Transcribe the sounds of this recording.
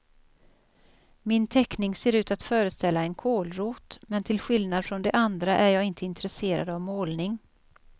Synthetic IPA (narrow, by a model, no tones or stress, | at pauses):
mɪnt̪ʰɛknɪŋseːɾʉ̟ːt̪at̪fœːɾəst̪ɛlːaɛnkʰoːlɾuːt̪mɛnt̪ʰɪlɧɪlnad̪fɾɔnd̪ɛʔand̪ɾaʔæjɑːɡɪnt̪ʰəɪnt̪ɾɛseːɾa̰d̪avmoːlnɪŋ